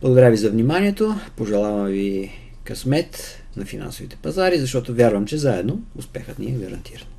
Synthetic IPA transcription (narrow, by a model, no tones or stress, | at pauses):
blˠəɡod̪ɐɾjavizɐvnimaniɛt̪opoʒɛlˠavɐmvi | kɐsmɛt̪ | nɐfina̰nsovit̪ɛ̥pɐzaɾizɐʃt̪ɔt̪ovʲjaɾvəmt͡ʃɛzaɛd̪noʊspɛxət̪niɛɡɐɾɐ̰nt̪ʰiɾɐn